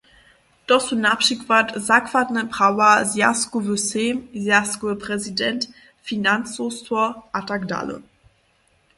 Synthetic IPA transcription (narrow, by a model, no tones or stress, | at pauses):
d̥ɔsunapʃikvatzakvatnəpʁ̥awazja̰skovøsemzjaskoəpʁɛzidɛnt | finant͡sostʰɔʔatakda̰lə̰